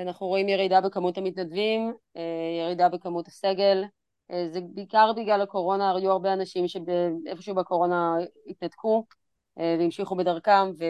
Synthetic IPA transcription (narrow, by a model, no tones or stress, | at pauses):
anaχnuʁo̞imjeʁidabekamutamit̪nadvimejeʁidabekamuthaseɡe̞l | ʔezebiːkaʁbiːɡlalako̞ʁo̞naːʁjuaʁbeanaʃimʃe̞beʔefoʃubeko̞ʁo̞nait̪̚nadkʰu | ʔeveimʃiχubedɐʁkamve